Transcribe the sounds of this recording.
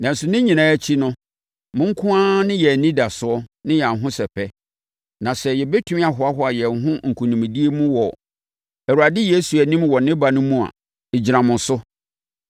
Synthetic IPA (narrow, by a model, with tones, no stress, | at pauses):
nã˨n̩˨sʊ˨nɪ̃˦ɲĩ˨nãː˦æ˦t͡ɕʰi˦nʊ̃˦ | mʊ̃˦ŋ̩˦kʰʊ̃˦ã˦nɪ̃˦jɛ˨nĩ˦da˨sʊ˨ɔ˦nɪ̃˦jɛ˨a˨n˨ɦʊ̃˦sɛ˨pʰɛ˦ | nã˨sɛ˨jɛ˨bɛ˦tʰʊ˦ĩ˦a˨ɦʊ˨˦a˦ɦɔ˦a˨jɛ˨ɦʊ̃˦ŋ̩˨kʰũ˨nĩ˨mĩ˨di˦e˦mũ˦wɔ˨ | æ˨wu˨ɾa˨dɪ˦je˦su˨ɛ˨nĩ˦mwɔ˨nɪ̃˦ba˨nʊ̃˦mũ˦a̰˨ | e˨d͡ʑi˨ɾã˨mʊ̃˨n˨sʊ˦